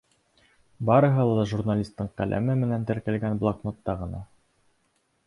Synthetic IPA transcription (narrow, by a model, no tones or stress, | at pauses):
bɑɾɤ̆ɦɤlˠɑɑʒurnalʲist̪ːɤɴqælʔæ̰mɘmɘ̆nænt̪ɘ̆ɾkælɡænblˠɑkmot̪ːɑʁɤ̆nɑ